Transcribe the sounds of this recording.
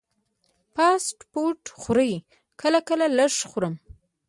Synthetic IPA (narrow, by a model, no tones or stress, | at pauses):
pɑsʈpoʈxʊɾəj | kʰəlakəlaləʂxʊɾəm